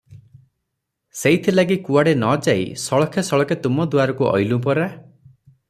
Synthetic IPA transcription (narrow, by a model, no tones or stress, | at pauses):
seit̪ʰilaɡikuaɽenɔd͡ʒajsɔɭɔkʰjasɔɭɔket̪umɔd̪uaɾɔkuʔɔ̰jlũpɔɾa